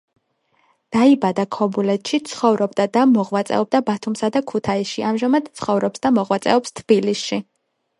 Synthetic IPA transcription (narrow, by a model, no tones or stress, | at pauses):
d̪̥aibad̪akʰɔbulɛt̪ʃit̪sʰχɔvɾɔbd̪ad̪amɔʁwat̪sʼɛ̰ɔb̚d̪abat̪ʰumsad̪akʰut̪ʰaisʃiamʒamad̪̥̚t̪sʰχɔvɾɔpsd̪amɔʁwat̪sʼɛ̰ɔpst̪ʰb̥ilisʃi